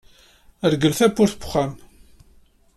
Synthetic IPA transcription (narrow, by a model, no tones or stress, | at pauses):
əɾɡəlθæpːʊɾθbʊ̥χam